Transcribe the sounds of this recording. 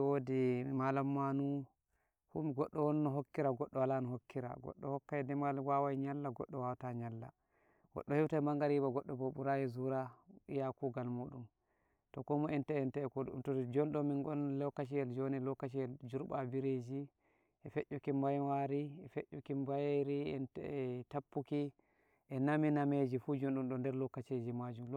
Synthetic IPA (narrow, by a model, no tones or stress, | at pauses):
wodimalamːanu | humiɡɔɗːɔwɔnːɔɦokːiɾaɡɔɗːɔwalanɔɦokːiɾa̰ɡɔ̰ɗːɔhɔkːajɛdɛmalwawajɲalːaɡɔ̰ɗːɔwawtaɲalːa̰ | ɡ̥ɔ̰ɗːɔhiwtamaŋɡaɾibaɡɔɗːɔbobuɾajɛzuɾajakuɡalmuɗum | tɔkɔmɔɛntɛɛntɛɛkoɗṵmtɔd͡ʒɔnɗɔminɡɔnlɛkːat͡ʃijɛld͡ʒonilɔkːat͡ʃ̬ijɛld͡ʒuɾbabiɾed͡ʒi | ʔɛfɛʔukimbajwaɾiɛfɛʔːukimbajɾiɛntɛtapːuki | ʔɛnaminamed͡ʒifud͡ʒonɗumɗɔndɛɾlɔkːat͡ʃed͡ʒimad͡ʒum